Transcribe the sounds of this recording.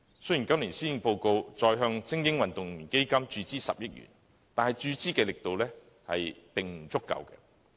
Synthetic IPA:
sɵ˥jiː˨˩nkɐ˥mliː˨˩nsiː˥˨˧po˧wko˧wt͡sɔː˨˧jɦœː˧ŋt͡sɪ˥ŋjɪ˥ŋwɐ˨nt̪ʊ˨ŋmiː˨˩nke˥jkɐ˥mt͡ʃyː˧t͡siː˥sɐ̰˨p̚jɪ˥k̚ɥy̰˨˩n | t̪aː˨nhɐ˨jt͡ʃyː˧t͡siː˥kɛː˧lɪ˨k̚t̪o˨wlɛː˥ | hɐ˨jt̪ɪ˨ŋm̩˨˩t͡sʊ˥kːɐ̰˨˧wkɛ̰˧

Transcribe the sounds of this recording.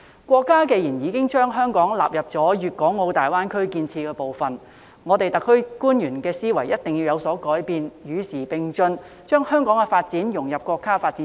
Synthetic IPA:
kʷwɔː˧kːaː˥ke˧jiː˨˩njiː˨˧kɪ˥ŋt͡ʃœː˥ŋɦœː˥ŋkɔː˨˥ŋla̰ː˨p̚jɐ˨p̚t͡sɔː˨˥jyː˨t̚kɔː˨˥ŋːo˨˧wt̪aː˨jwaː˥nkʰɵ˥ɥkiː˧nt͡sʰiː˧kɛː˧po˨wfɐ˨n | ŋɔː˨˧t̪e˨jt̪ɐ˨kʰːɵ˥ɥkuː˥njyː˨˩nkɛː˧siː˥wɐ˨˩jɐ˥t̚t̪ɪ˨ŋji˧wjɐ˨˧wsɔː˨˥kɔː˨˥jpiː˨˧njyː˨˧siː˨˩pɪ˨ŋt͡sɵ˧n | t͡ʃœː˥ŋhœː˥ŋkɔː˨˥ŋɛ˧faː˧t̚t͡siː˨˥njʊ˨˩ŋjɐ˨p̚kʷɔː˧kːaː˥faː˧t̚t͡siː˨˦

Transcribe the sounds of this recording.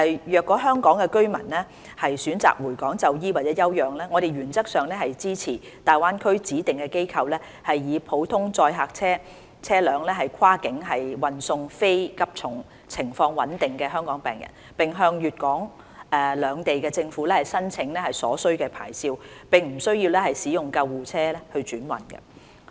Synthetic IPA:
ɐ˨jjœː˨kːɔː˨˥ɦœː˥ŋkɔː˨˥ŋkɛ˧kɵ˥ɥmɐ̰˨˩nlɛː˥ | hɐ˨jsyː˨˥nt͡sa̰ː˨k̚wuː˨˩jkɔː˨˥ŋt͡sɐ˧wjiː˥waː˨˩t̚t͡sɛː˨˥jɐ˥wjœː˨ŋlɛː˥ŋɔː˨˧ɾe˨jɥyː˨˩nt͡sɐ˥k̚sœː˨ŋlɛː˥hɐ˨jt͡siː˥t͡sʰiː˨˩ | t̪aː˨jwaː˥nkʰɵ˥ɥt͡siː˨˥t̪ɪ˨ŋkɛː˧ke˥jkʰɐ˧wlɛː˥ | hɐ˨jːiː˨˧pʰo˨˥wt̪ʰʊ˥ŋt͡sɔː˧jɦaː˨˧k̚t͡sʰɛː˥ | t͡sʰɛː˥lœː˨˧ŋlɛː˥ɦɐ˨jkʰaː˥kɪ˨˥ŋɦɐ˨jwɐ˨nsʊ˧ŋfe˥jkɐ˥p̚t͡sʰʊ˨˩ŋ | t͡sʰɪ˨˩ŋfɔː˧ŋwɐ̰˨˥nt̪ɪ˨ŋkɛː˧ɦœː˥ŋkɔː˨˥ŋpɛ̰ː˨˩ŋjɐ̰˨˩n | pɪ˨ŋɦœː˧ŋjyː˨t̚kɔː˨˥ŋ | ʔɛ˧lœː˨˧ŋt̪e˨jkɛː˧t͡sɪ˧ŋfuː˨˥lɛː˥hɐ˨jsɐ˥nt͡sʰɪ˨˧˥ŋlɛː˥hɐ˨jsɔ̰ː˨˥sɵ˥ɥkɛː˧pʰa̰ː˨˩jsiː˧wpɪ˨ŋm̩˨˩sɵ˥ɥjiː˧wlɛː˥hɐ˨jsiː˨˥jʊ˨˩ŋkɐ˧wːuː˨˩t͡sʰɛː˥lɛ˥hɵ˧t͡ʃyː˨˥nwɐ̰˨˩nkɐ̰˧

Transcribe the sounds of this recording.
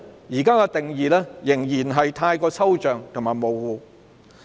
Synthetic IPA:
jiː˨˩kaː˥kɔː˧t̪ɪ˨ŋjiː˨lɛː˥jɪ˨˩ŋjiː˨˩nɦɐ˨jt̪ʰaː˧jkɔː˧sɐ˥wt͡ʃœː˨ŋt̪ʰʊ˨˩ŋmaː˨˩jmo˨˩wwuː˨˧

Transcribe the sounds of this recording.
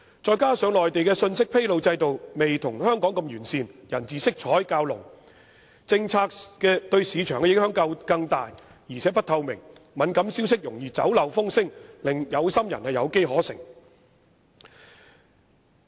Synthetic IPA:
t͡sɔː˨˧jkaː˥sœː˨˧ŋlɔː˨jt̪e˨jkɛː˧sɵ˧nsɪ˥k̚pʰe˥jlo˨˧wt͡sɐ˧jt̪o˨wme˨jt̪ʰʊ˨˩ŋhœː˥ŋkɔː˨˥ŋkɐ˧mjyː˨˩nsiː˧njɐ˨˩nt͡siː˨sɪ˥k̚t͡ʃʰɔː˨˥jkaː˧wlʊ̰˨˩ŋ | t͡sɪ˧ŋt͡sʰaː˧k̚kɛː˧t̪ɵ˧ɥsiː˨˧t͡ʃʰœː˨˩ŋkɛ˧jɪ˨˥ŋhœː˨˥ŋkɐ˧wkɐ˧ŋt̪aː˨j | jiː˨˩t͡sʰɛː˨˥pɐ˥t̪̚ʰɐ˧wmɪ̰˨˩ŋ | mɐ˨˥nkɐ˨˥msi˥ws̬ɪ˥k̚jʊ˨˩ŋjiː˨t͡sɐ̰˨˥wlɐ˨wfʊ˥ŋsɪ˥ŋlɪ˨ŋjɐ˨˧wsɐ˥mjɐ˨˩nhɐ˨jɐ˨˧wke˥jɦɔː˨˥sɪ̰˨˩ŋ

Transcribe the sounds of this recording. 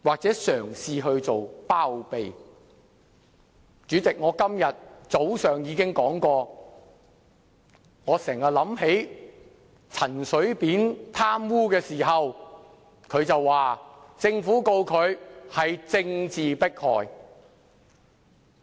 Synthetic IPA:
waː˨k̚t͡sɛː˨˥sœː˨˩ŋsiː˧ɦɵ˧ɥt͡so˨wpaː˥wpe˨j | t͡syː˨˥t͡sɪ˨k̚ŋɔː˨˧kɐ˥mjɐ˨t̚t͡so˨˥wsœː˨ŋjiː˨˧kɪ˥ŋkɔː˨˥ŋkɔː˧ | ŋɔː˨˧sɛː˨˩ŋɐ˨lɐ˨˥mhe˨˥j | t͡sʰɐ˨˩nsɵ˨˥ɥpiː˨˥nt̪ʰaː˥mwuː˥kɛː˧siː˨˩ɦɐ˨w | kʰɵ˨˧ɥt͡sɐ˨wːaː˨t͡sɪ˧ŋfuː˨˥ko˧wkʰɵ˨˧ɥhɐ˨jt͡sɪ˧ŋt͡siː˨pɪ˥k̚hɔː˨j

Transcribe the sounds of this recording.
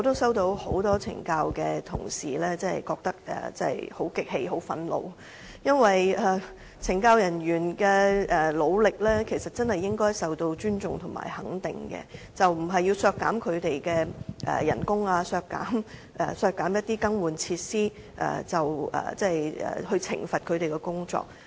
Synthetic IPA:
ɔ˨˧t̪o˥wsɐ˥wt̪o˧who̰˨˥wt̪ɔː˥t͡sʰɪ̰˨˩ŋkaː˧wkɛː˧t̪ʰʊ̰˨˩ŋsiː˨lɛː˥t͡sɛː˥˨˩jkɔː˧k̚t̪ɐ˥k̚ɛ̰˨˩t͡sɛ˥˨jho˨˥wkɪ˨k̚he˧jɦo˨˥wfɐ˧nlo̰˨˧w | jɐ˥nwɐ˨jɛ˨˩ | t͡sʰɪ˨˩ŋkaː˧wjɐ˨˩njyː˨˩nkɛ˧ʔɛː˨lo˨˧wlɪ˨k̚lɛː˥kʰe˨˩jsɐ˨t̚t͡sɐ˥nhɐ˨jːɪ˥ŋkɔː˥jsɐ˨wt̪o˧wt͡ʃyː˥nt͡sʊ˨ŋt̪ʰʊ˨˩ma̰ː˨jhɐ˨˥ŋt̪ɪ˨ŋkɛ̰˧ | t͡sɐ˨wm̩˨˩ɦɐ˨jːi˧wsœː˧kːa̰ː˨˥mkʰɵ˨˧ɥt̪e˨jkɛː˧ʔɛ̰ː˨˩jɐ˨˩nkʊ˥ŋaː˧sœː˧kːa̰ː˨˥m | ʔɛ˨˩sœː˧kːaː˨˥mjɐ˥t̚t̪iː˥kɐ˥ŋwuː˨˧nt͡sʰiː˧t̚siː˥ | ʔɐ̰ː˨t͡sɐ˨˩wɐ̰ː˨˩t͡sɛː˥˩jɛ̰ː˨˩hɵ˧ɥt͡sʰɪ̰˨˩ŋfɐ˨t̚kʰɵ˨˧ɥɾe˨jkɛ˧kʊ˥ŋt͡ʃt͡sɔ̰ː˧k̚

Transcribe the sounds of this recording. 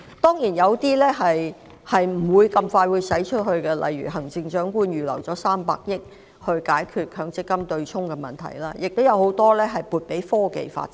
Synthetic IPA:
t̪ɔː˥ŋjiː˨˩njɐ˨˧wt̪iː˥lɛː˥ɦɐ˨j | hɐ˨jm̩˨˩wuː˨˧jkɐ˧mfaː˧jwuː˨˧jsɐ˨˥jt͡ʃʰɵ˥t̚hɵ˧ɥkɛ˧lʔɐ̰˨jɥy̰˨˩ɦɐ˨˩ŋt͡sɪ˧ŋt͡ʃœː˨˥ŋkuː˧njyː˨˩lɐ̰˨˩wt͡sɔː˨˥saː˥mpa̰ː˧k̚jɪ˥k̚ | hɵ˧ɥkaː˨˥jkʰyː˧t̚kʰœː˨˧ŋt͡sɪ˥kːɐ˥mt̪ɵ˧ɥt͡sʰʊ˥ŋkɛ˧mɐ̰˨˩nt̪ʰɐ̰˨˩jlaː˥jɪ˨k̚t̪o˥wjɐ˨˧who˨˧˥wt̪ɔː˥lɛː˥ɦɐ˨jpuː˨t̚pe˨˥jfɔː˥kḛ˨jfa̰ː˧t̚

